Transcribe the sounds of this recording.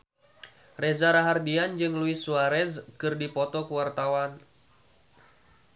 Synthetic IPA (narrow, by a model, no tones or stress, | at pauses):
rɛzaɾaɦardiand͡ʒɨŋluisuaɾɛzkɨrdipɔt̪ɔkuwart̪awan